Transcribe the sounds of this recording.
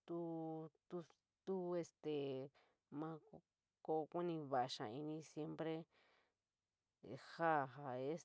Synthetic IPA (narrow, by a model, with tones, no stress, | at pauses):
t̪u˦t̪u˧ | t̪u˦e˧st̪e˨ | mã˧˦ | ko˧ku˦nĩ˧βa˧ʔa˧ʃã̰˨i˧nĩ˧sje˦mpɾe˦˧ | ha˦˨ɦa˧e˦s